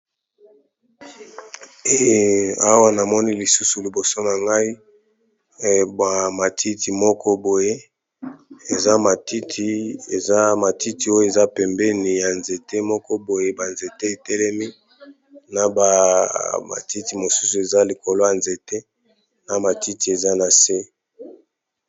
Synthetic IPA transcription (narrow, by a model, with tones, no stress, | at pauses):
e˦a˦wa˦na˨mɔ˦ni˦li˨su˦su˨li˨bo˨so˦na˨ŋɡa˦i˦ | ba˨ma˨tʰi˦ti˨mɔ˦kʰɔ˦bo˨je˦ | e˨za˦ma˨ti˦tʰi˨e˨za˦ma˨ti˦ti˨o˦jo˦˨e˨za˦pɛ˨mbɛ˦ni˨ja˨nze˨te˦mɔ˦kɔ˦bo˨je˦ba˨nze˨te˦e˨tɛ˦lɛ˦mi˦ | na˨ba˨ma̰˨ti˦ti˨mo˨su˦su˨e˨za˦li˨ko˨lo˦ja˨nze˨te˦ | na˨ma˨ti˦ti˨e˨za˦na˨se˦